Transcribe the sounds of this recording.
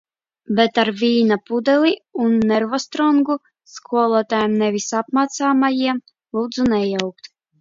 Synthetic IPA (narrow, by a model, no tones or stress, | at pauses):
bɛt̪aɾvʲiːnapud̪ɛlʲiunːɛɾvɔst̪ɾɔŋɡu | skʰuɔlˠɔɔt̪ajɛmnɛvʲisap̚maːt̪saːmajiɛm | lˠuːd̪zunɛjɔwk̚t̪